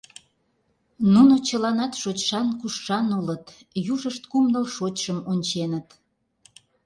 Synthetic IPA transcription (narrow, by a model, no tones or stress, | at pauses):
nunot͡ɕəlɑnɑt̪ʃot͡ɕʃɑnkuʃːɑnulət̪ | juʒəʃt̪̚kumnəlʃot͡ɕʲʃəmonʲt͡ɕenət̪